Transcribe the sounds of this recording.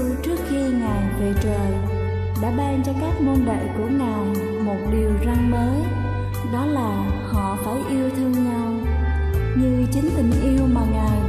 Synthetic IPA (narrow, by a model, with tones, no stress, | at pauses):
t͡ɕɨ˦˥əkxi˧ŋaː˨˩jve˨˩t͡ɕəː˨˩j | ɗa̰ː˧˥ɓaː˧nt͡ɕɔ˧kaː˦˥k̚mo˧nɓḛ˧˨ku˧˩ənaː˨˩m | mo˨˩t̚ɗi˨˩əwza˧ŋməː˨˦ | ɗɔ˨˦laː˨˩hɔ̰˧˨fa˧˦wʔi˧əwt̪ʰɨ˧əŋɲa˧w | ɲɨ˧t͡ɕï˨˦ŋ̟t̪ï˨˩ŋ̟ʔi˧əwmaː˨˩ŋaː˨˩j